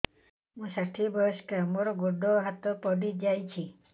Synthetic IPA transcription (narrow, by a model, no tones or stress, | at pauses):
mũsaʈʰibɔskamoɾɔɡoɖɔɦat̪ɔpɔɖid͡ʒajt͡ʃʰi